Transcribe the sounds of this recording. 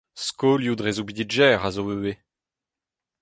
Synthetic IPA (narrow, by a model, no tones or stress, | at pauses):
skoːljud̪ʁezobid̪iʒɛːʁazoøe